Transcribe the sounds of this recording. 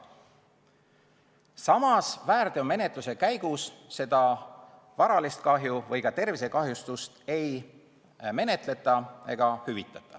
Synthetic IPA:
sɑmɑsvæːɾd̪eo̞me̞ne̞t̪luse̞kæjɡusːe̞d̪̥ɑ | vɑɾɑlist̪̚kɑɦjuvɤ̞jkɑt̪e̞rvise̞kɑɦjust̪ust̪e̞j | me̞ne̞t̪le̞t̪ːˑɑe̞ɡ̥ɑhyvit̪ːˑɑt̪ːˑɑ̥

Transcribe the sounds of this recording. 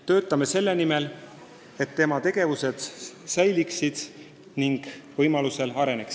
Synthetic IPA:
t̪ø̞ːt̪ːˑɑme̞se̞lːenime̞l | e̞t̪ːe̞mɑt̪e̞ɡ̥e̞vuse̞d̪̥sæjliksid̪̥ | niŋɡ̥vɤjmɑluse̞lɑɾe̞ne̞ks

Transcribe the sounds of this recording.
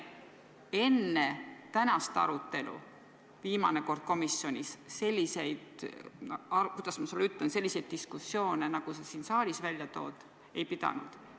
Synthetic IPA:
e̞nːet̪ænɑst̪ɑ̰ɾut̪ːˑe̞lṵ | viːmɑ̰ne̞ko̞rd̪̥̚ko̞misjo̞nʲisːe̞lʲːise̞jd̪̥ | ɑkujd̪̥ɑsmɑsuleyt̪lense̞lːisejd̪̥̚t̪ːiskusːjo̞ːnenɑɡ̥usesiːnsɑːlʲisvælʲjɑt̪o̞̰ːd̪̥ | e̞jpid̪̥ɑ̰nṵd̪̥

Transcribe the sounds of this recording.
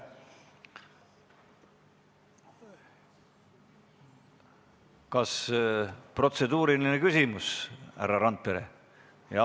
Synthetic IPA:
kɑs | pro̞t̪se̞d̪uːɾilinekysʲimushæ̰ɾːɑɾɑnt̪̚pe̞ɾḛ | jɑ

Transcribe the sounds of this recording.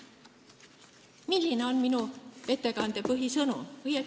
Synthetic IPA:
milʲːineo̞nminue̞t̪ːe̞kɑnd̪e̞pɯɦisɤnṵvɤje

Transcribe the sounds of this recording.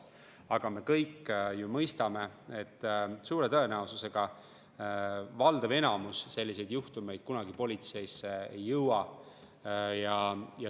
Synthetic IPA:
ɑɡ̥ɑme̞kɤjkːjumɤjst̪ɑme̞et̪ːsuːɾe̞t̪ɤe̞næususe̞ɡ̥ɑ | vɑld̪̥ɑve̞nɑmusse̞lʲːise̞jd̪̥juht̪ume̞jd̪̥̚kunɑɡipo̞lʲit̪se̞jsːeejːɤwɑ | jɑjɑ

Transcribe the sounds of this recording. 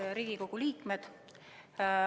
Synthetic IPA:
ɾiːɡ̥iko̞ɡ̥uliːkˑmed̪̥

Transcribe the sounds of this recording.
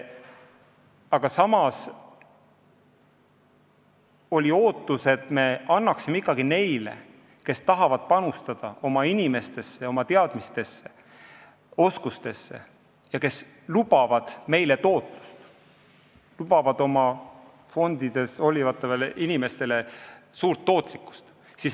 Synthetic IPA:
ɑɡ̥ɑsɑmɑs | o̞lʲio̞ːt̪ːˑuse̞t̪me̞ɑnːɑksimeikːˑɑɡ̥ine̞jle̞̰ | ke̞st̪ɑɦɑvɑd̪̥̚pɑnust̪ɑd̪̥ɑo̞mɑinime̞st̪e̞sːe̞o̞mɑt̪eɑd̪̥mist̪e̞sːe̞̥ | o̞skust̪e̞sːe̞̰ | jɑke̞s | lub̥ɑvɑd̪̥me̞jle̞t̪o̞ːt̪ˑlu̥st̪ | lub̥ɑvɑd̪̥o̞mɑ | fo̞nd̪id̪̥e̞so̞lʲivɑt̪ːˑɑveleʔinime̞st̪e̞le̞suːɾt̪ːo̞ːt̪ˑlikːˑu̥st̪ | sis

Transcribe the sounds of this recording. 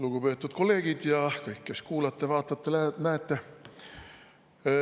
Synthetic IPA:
luɡ̥upe̞ːt̪ːˑud̪̥ko̞lːeːɡ̥id̪̥jɑkɤjkːe̞skuːlɑt̪ːˑe̞vɑːt̪ːˑɑt̪ːelænæet̪ːˑe̞

